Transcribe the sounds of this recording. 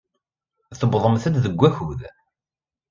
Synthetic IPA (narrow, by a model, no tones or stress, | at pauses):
θəbðˤəmθæd̪ðəɡʷːæçuð